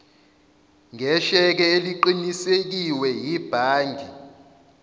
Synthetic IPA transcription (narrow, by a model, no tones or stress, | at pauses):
ŋʱɛʃɛk̬ɛeliǃinisek̬iwɛjib̥ʱaːndʱi